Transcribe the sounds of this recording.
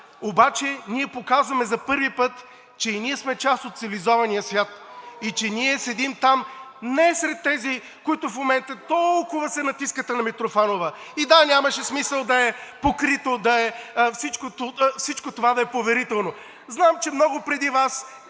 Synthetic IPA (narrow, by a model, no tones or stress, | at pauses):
obat͡ʃɛniɛpokazvɐmɛzɐpɤɾvipɤt̪ | t͡ʃɛiniɛsmɛt͡ʃast̪ot̪t̪silizɔvɐnijəsvʲjat̪it͡ʃɛniɛsɛd̪imt̪am | nɛsɾɛt̪ːɛzi | koit̪ʊfmomɛnt̪ət̪ɔlˠkʊvɐsɛnɐt̪iskət̪ənɐmit̪ɾofanovə | id̪anʲamɐʃɛsmisəlˠd̪ɐɛpokɾit̪od̪ɐɛfsit͡ʃkot̪ofsit͡ʃkot̪ovad̪ɐɛpovɛɾit̪ɛlˠno | znamt͡ʃɛmnɔɡʊpɾɛd̪ivas